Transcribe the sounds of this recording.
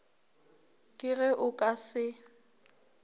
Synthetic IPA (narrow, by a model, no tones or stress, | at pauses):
kʼɪɣɛʔʊkʼasɪ